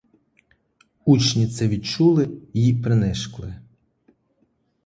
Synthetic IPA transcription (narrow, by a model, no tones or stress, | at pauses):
ut͡ʃnʲit̪sɛʋʲid̪̚t͡ʃulˠɪjipɾenɛʃklˠɪ